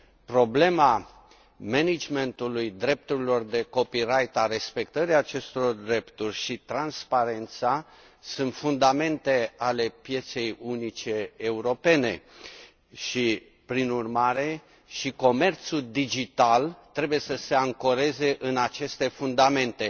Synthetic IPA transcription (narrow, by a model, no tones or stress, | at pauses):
pɾo̞ble̞ma | menid͡ʒme̞nt̪ulujd̪ɾe̞p̚t̪uɾilo̞rd̪e̞ko̞piɾajt̪aɾe̞spe̞kt̪əɾiaːt͡ʃe̞st̪oo̞rd̪ɾe̞pt̪urʲʃit̪ɾanspaɾe̞nt̪sa | sunt̪fund̪ame̞nt̪e̞ale̞pje̞t̪se̞junit͡ʃe̞ːuɾo̞pe̞ne̞ | ʃi | pɾinurmaɾe̞ | ʃiko̞me̞rt̪suld̪id͡ʒit̪alt̪ɾe̞buje̞səse̞aŋko̞ɾe̞ze̞ʔɨnat͡ʃe̞st̪e̞fund̪ame̞nt̪e̞